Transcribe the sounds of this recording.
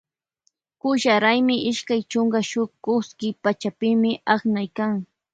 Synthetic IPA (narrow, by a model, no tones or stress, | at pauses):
kʊʃaɾajmɪʔɪʃkajt͡ʃʊŋɡaʃʊkʊskɪpat͡ʃapɪmɪʔaχnajkaŋ